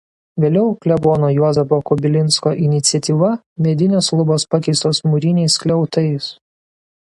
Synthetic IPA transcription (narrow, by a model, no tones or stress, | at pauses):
ʋʲeːlʲɛʊklʲɛboːnoːjuɔzʲɛpoːkɔbʲɪlʲɪnˑskoːʔɪnʲɪt̪sʲɪɛt̪ʲiːʋɐ | mʲeɛd̪ʲɪnʲeːslˠʊboːspɑkʲɛɪst̪oːsmuɾʲɪnʲɛɪsklʲɛʊt̪ɐɪs